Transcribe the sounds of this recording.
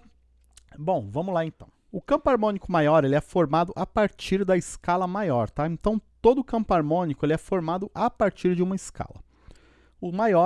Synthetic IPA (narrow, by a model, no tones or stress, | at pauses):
bõw̃vɐ̃mʊzlaẽnt̪ɐ̰̃w̃ʊkɐ̃mpʊaɾmõnikʊmajɔɾelɪɛfoɾmad̪ʊʔapaɾt͡ʃiɾd̪ɐɪskalɐmajɔɾt̪aẽnt̪ɐ̃w̃t̪od̪ʊkɐ̃pʊaɾmõnikʊelɪɛfoɾmad̪ʊʔapaɾt͡ʃiɾd͡ʒɪũmɐɪska̰lɐ̰ | ʊmajɔ